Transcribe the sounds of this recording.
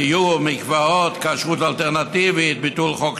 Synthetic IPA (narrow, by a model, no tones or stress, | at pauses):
ijumikvaot̪kaʃʁut̪alt̪eʁnat̪ivit̪̚bit̪ulχok